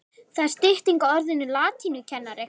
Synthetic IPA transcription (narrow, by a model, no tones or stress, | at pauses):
θaðɪɾ̥st̪ɪht̪iŋkaɔɾðɪnːʏlaːt̪ʰinʏcʰɛnːaɾɪ